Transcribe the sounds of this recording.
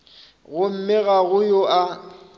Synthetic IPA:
ɣʊm̩mɪɣaɣʊjʊʔa

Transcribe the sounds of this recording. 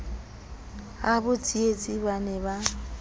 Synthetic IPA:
abʊt͡sʼiet͡sʼibanɛba

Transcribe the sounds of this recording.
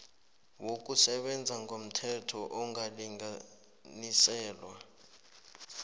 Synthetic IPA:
wok̬ʼusɛɓɛnd͡zʱaŋɡʱom̩tʰɛtʰɔʔɔŋɡʱaliŋa | nisɛːlwa

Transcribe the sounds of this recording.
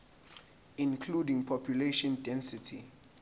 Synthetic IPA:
ĩnkʰludĩŋpʰɔpʰjuleʃɔ̃ndɛ̃nsitʰḭ

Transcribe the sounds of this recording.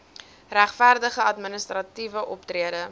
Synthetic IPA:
ræχfærdəχəɐtmənəstrɐtivəʔɔptriədə

